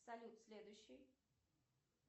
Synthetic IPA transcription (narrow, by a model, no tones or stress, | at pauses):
salʲut̪sʲlʲed̪uɕi